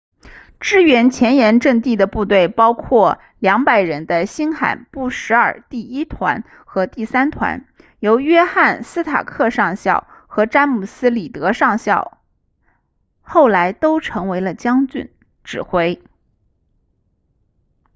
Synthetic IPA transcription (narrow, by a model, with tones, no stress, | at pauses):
ʈ͡ʂɻ̩˥ɥɛ˧˥nt͡ɕʰjɛ˧˥njɛ˧˥nʈ͡ʂɤ˥˧ŋt̪i˥˩d̪ə˩pu˥˧t̪we˥˩ɪpɑ˥ʊkʰwɔ˥˩ | ljɑ˧˥ŋpa˨˩ɪɻə˧˥nd̪ə˧ɕi˥nxa̰˨˩ɪnpu˥˩ʂɻ̩˧˥ə̰˞˨˩t̪i˥˩i˥t̪ʰwa̰˧˥n | xɤ˧˥t̪i˥˩sa˥nt̪ʰwa̰˧˥n | jo˧˥ʊɥɛ˥xa˥˩nsɹ̩˥t̪ʰa̰˨˩kʰɤ˥˧ʂɑ˥˧ŋɕjɑ˥˩ʊxɤ˧˥ʈ͡ʂa˥nmu˨˩sɹ̩˥li˨˩t̪ɤ˧˥ʂɑ˥˧ŋɕjɑ˥˧˩ʊ | xo˥˩ʊla˧˥ɪt̪o˥ʊʈ͡ʂʰɤ˧˥ŋwe˧˥ɪlə˧t͡ɕjɑ˥ŋt͡ɕy̰˥˩n | ʈ͡ʂɻ̩˨˩xwe˥ɪ